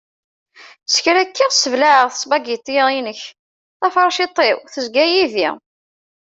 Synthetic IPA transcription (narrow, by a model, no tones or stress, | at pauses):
sə̥çɾækːiʁsəvlaʕəʁθə̥sˤbæɡit̪ˤːjəʁinəç | θæfɾˤʃit̪ˤːewθəzɡæjiðḭ